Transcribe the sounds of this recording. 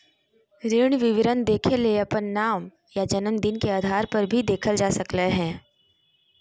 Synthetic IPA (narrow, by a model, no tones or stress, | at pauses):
ɾeːɳ̃ʋɪʋɪɾənd̪eːkʰeleeɐpənːaːm | jad͡ʒɐnənd̪ɪnkeaːd̪ʱaːɾpɐɾbʱid̪eːkʰəld͡ʒaːsɐkleɦɛ̃ː